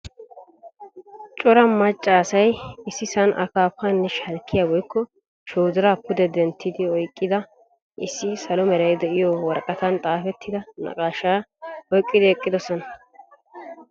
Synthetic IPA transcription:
t͡ʃʼɔɾɐmɐt͡ʃʼːaːsɐjɪsːɪsɐnʔɐ̰kaːpːanːɛʃɐlkʰːɪjabɔjkʰːɔ | ʃoːzɪɾaːpːʊd̪ɛd̪ɛnt̪ʰːɪd̪ɪɔjkʼːɪd̪ɐ | ʔɪsːɪsɐlɔmɛɾɐjd̪ɛʔɪjɔwɔɾkʼɐt̪ɐnt̪ʼaːfɛt̪ːɪd̪ɐnɐ̰kʼaːʃaːɔjkʼːɪd̪ɪɛkʼːɪd̪ɔsɔnɐ

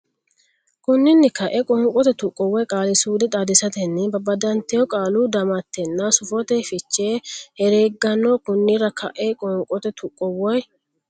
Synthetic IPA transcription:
kʊnːɪnːɪkɐʔɛkʼɔːŋkʼɔt̪ɛt̪ʊkʼːɔwɔjkʼaːlɪsuːd̪ɛt̪ʼaːd̪ɪsɐt̪ɛnːɪbɐbɐd̪ɐnt̪ɛjɔkʼaːluːd̪ɐmɐt̪ːɛnːasʊfɔt̪ɛfɪt͡ʃːeːhɛɾeːɡːɐnːokʊnːɪɾɐkʰɐ̰ʔɛkʼɔːŋkʼːɔt̪ɛt̪ʰʊkʼːɔwɔj

